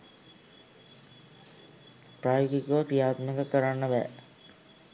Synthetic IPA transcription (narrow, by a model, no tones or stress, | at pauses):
pɾaːjoɡikoʋpijaːt̪məkəkəɾanːəʋæ̰